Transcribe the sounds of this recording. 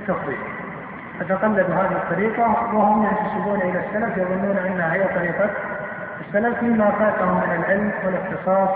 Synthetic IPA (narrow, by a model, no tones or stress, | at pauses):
t̪ːɑfðˤiːd | ʔat̪aqalːad̪uɦaːðɪhɪt̪ˤːɑɾiːqawɪhʊmjɪnt̪asɪbuːnʔɪlasːalafjɑðˤʊnːuːnʔanːahahɪjːat̪ˤːɑɾiːqɑ | ʔɪsːalafmɪmːafaːt̪ahʊmːɪnɪlʕɪlmwɪlɪxt̪ɨsˤɑːsˤ